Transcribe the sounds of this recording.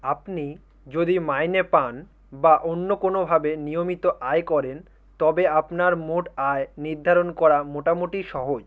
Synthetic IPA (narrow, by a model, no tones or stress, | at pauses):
apni | d͡ʑod̪imajnepan | baʔonːokonobʱabenijomit̪oʔaekɔɾen | t̪ɔbeapnaɾmoʈaeniɾd̪ʱaɾonkɔɾamoʈamoʈiʃɔɦod͡ʑ